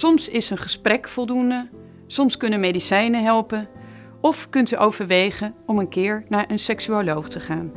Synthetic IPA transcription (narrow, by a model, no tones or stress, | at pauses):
sɔmsɪsənχəsprɛkfɔlˠdundə | sɔmskɵnənmejdisɛjnəɦɛlˠpən | ɔfkɵntyʔowvəɹʋejχənɔmənkɪːɹnaːɹʔənsɛksyolowχtəχaːn